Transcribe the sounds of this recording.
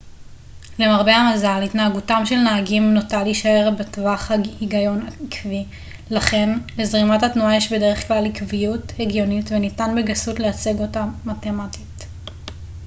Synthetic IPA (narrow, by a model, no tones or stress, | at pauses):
lemaʁbe̞hamazalhitnaaɡutamʃe̞lnaaɡimnotaliʃae̞ʁbetvaχhahiɡajo̞nakvi | laχe̞nle̞zʁimathatnuajeʃbe̞de̞ʁeχklalikvijutheɡjo̞nitvenitanbeɡasutleat͡seɡo̞taːate̞matit